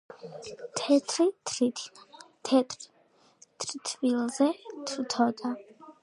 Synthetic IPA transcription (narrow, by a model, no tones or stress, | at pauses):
t̪ʰɛt̪ʰɾitʰ | t̪ʰɛt̪ | t̪ʰɾt̪ʰvilˠzɛt̪ʰt̪ʰɔd̪a